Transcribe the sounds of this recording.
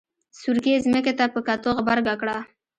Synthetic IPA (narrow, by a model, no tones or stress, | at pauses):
suɾkezməket̪apəkat̪oɣbaɾɡakɽa